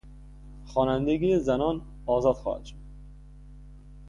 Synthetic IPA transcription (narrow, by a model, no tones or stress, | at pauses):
χɔːnænd̪eɡijezænɒn | ɒːzɒd̪xɔ̰hæ̰d̪ʃod̪